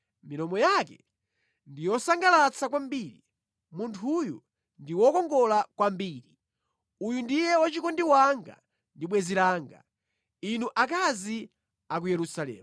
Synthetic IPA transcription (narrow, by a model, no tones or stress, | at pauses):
minɔmɔjakɛ | ndijɔsaŋɡalat͡sʰakwambiːɾḭ | muntʰuju | ndiwɔkɔŋɡɔlakwambiːɾi | ujundijɛwɔt͡ʃikɔndiwaŋɡa̰ | ndiɓwɛziɾaːŋɡa̰ | inuʔakazi | ak̬ujɛɾusalɛ̰ːm